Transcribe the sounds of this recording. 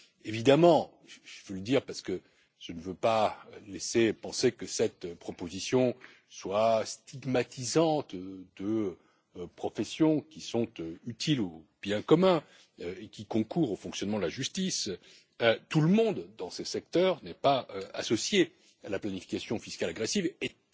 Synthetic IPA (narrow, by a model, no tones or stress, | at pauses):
evid̪amɑ̃ | ʒəvøləd̪iːʁpaʁsə̥kə | ʒ̥ənəvøpalesepɑ̃sekəsɛt̪pχɔpozisjɔ̃ | swast̪iɡmat̪izɑ̃t̪d̪ə | pχɔfɛsjɔ̃kʲisɔ̃t̪yt̪ʰilob̥jɛ̃kɔmɛ̃ | ekʲikɔ̃kʰuʁofɔ̃ksjɔnmɑ̃d̪əlaʒyst̪is | t̪uləmɔ̃d̪d̪ɑ̃sesɛk̚t̪œʁnɛpaøa̰sɔsje | alaplanifi̥kʲasjɔ̃fiskalaɡʁesive